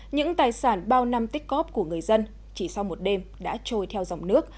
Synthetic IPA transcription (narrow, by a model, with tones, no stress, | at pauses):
ɲɨ̰˧˥ŋt̪aː˨˩jsaː˧˩nɓaː˧wna˧mt̪i˦˥k̚ɣɔ˦˥p̚ku˧˩əŋɨ˨˩əjzə˧n | t͡ɕi˧˩sa˧wmo˨˩t̚ɗe˧mɗa̰ː˧˥t͡ɕo˧jt̪ʰɛ˧wza˨˩wŋ͡mnɨ˦˥ək̚